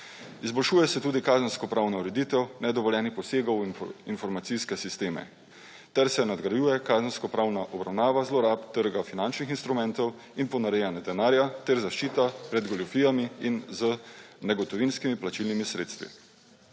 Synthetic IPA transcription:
izbɔlʃuːjɛsɛt̪uːd̪ikaːzənskɔpɾaːwnauɾɛd̪iːt̪ɛwnɛd̪ɔʋɔljɛːnixpɔseːɡɔwinfɔɾmat̪siskɛsist̪eːmɛ̰ | t̪ɛɾsɛnad̪ɡɾajuːjɛkaːzənskɔpɾaːwnaʔɔbɾawnaːʋazlɔɾapt̪ːəɾɡafinant͡ʃnixinst̪ɾumɛ̃nt̪ɔw | inpɔnaɾɛjanad̪ɛnaːɾjat̪ɛɾzaʃt͡ʃiːt̪apɾɛd̪ɡɔlɔfiːjamiinzənɛɡɔt̪ɔʋinskimiplat͡ʃilnimisɾḛːt̪st̪ʋḭ

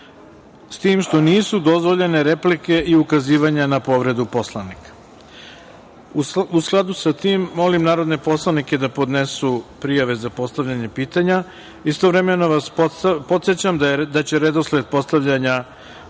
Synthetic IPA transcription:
st̪iːmʃt̪o̞niːsud̪o̞zʋo̞ʎe̞ne̞ɾe̞plike̞ʔiukaziːʋaɲanapo̞ʋɾe̞d̪upo̞slˠanikḁ | uusklˠad̪usat̪iːmːo̞limnaːɾo̞d̪ne̞po̞slˠanike̞d̪apo̞d̪ne̞supɾijaʋe̞zapo̞st̪aʋʎaɲe̞piːt̪aɲa | ist̪o̞ʋɾe̞me̞no̞ʋaspo̞t̪sjet͡ɕamd̪ad̪at͡ɕe̞ɾed̪o̞sled̪̚po̞st̪aʋʎaɲa

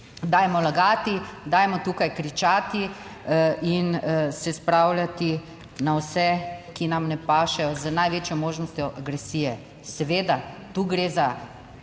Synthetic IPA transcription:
d̪aːjmɔlaɡaːt̪id̪aːjmɔt̪uːkajkɾit͡ʃaːt̪i | insɛspɾawlʲjat̪i | nawsɛkinamnɛpaːʃɛjɔzənajʋeːt͡ʃjɔmoːʒnɔst̪jɔʔaɡɾɛsiːjɛ | sɛʋeːd̪at̪uːɡɾeza

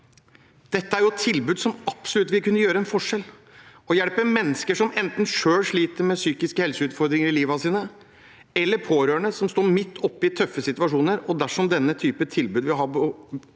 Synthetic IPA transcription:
d̪̥ɛt̪ːəæɾjʊt̪ʰɪlbʉːd̪sɔmɑpsɔlʉt̪ːʋɪlkʉnːəjøːɾəɛnfɔʂɛl | ɔjɛɽpəmɛnːəskəʂɔmɛnt̪n̩ʂøːlʂɭiːt̪əɾmɛsyːkɪskəhɛlsəʉːt̪fɔɾd̪ɾɪŋəɾɪliːʋɑsiːnə | ɛlːəɾpʰoːɾøːɳəsɔmst̪oːmɪt̪ʰːɔpːɪt̪ʰœfːəsɪt̪ʉʋɑʂuːnəɾɔd̪æʂɔmd̪ɛnːət̪ʰyːpət̪ʰɪlbʉːd̪ʋɪɦɑbɔ

